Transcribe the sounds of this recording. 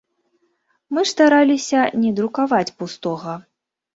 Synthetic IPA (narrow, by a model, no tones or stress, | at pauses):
mɨst̪aɾalʲisʲɐnʲɛd̪ɾukavat͡sʲpust̪ɔɣɐ